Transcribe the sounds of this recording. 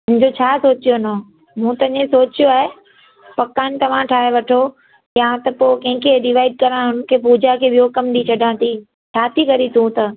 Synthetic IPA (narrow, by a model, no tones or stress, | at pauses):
ʊ̃ɪ̃ɲd͡ʑot͡ɕʰaːsoːt͡ɕijono | mũt̪ɐɪ̃ɲẽsoːt͡ɕijoaːɦe | pɐkaːnɪ̆t̪ɐʋ̤ãʈʰaːɦeʋɐʈʰo | jãt̪ɐpoːkɐ̃ɦɪ̃kʰeɖɪʋaːɪɖ̚kɐɾãɦʊnkʰepuːd͡ʑakʰebijokɐmɗ̪it͡ɕʰɐɖʱãːt̪iː | t͡ɕʰaːt̪ʰikɐɾit̪ʰũt̪ɐ